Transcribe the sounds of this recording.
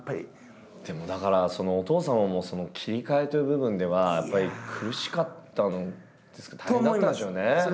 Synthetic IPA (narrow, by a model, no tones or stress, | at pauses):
pːaɾʲḭ | d̪̥e̞mo̞d̪akaɾaso̞no̞ːt̪o̞ːsãɰ̃amo̞so̞no̞kʲʰiɾʲikae̞t̪ɯɯbɯ̟bɯ̟̃nd̪e̞β̞ajapːaɾʲikʰɯ̟ɾɯ̟ɕi̥kat̪ːano | d̪̥e̞sɨ̥kḁt̪ḁẽnd̪aiad̪esɨjone̞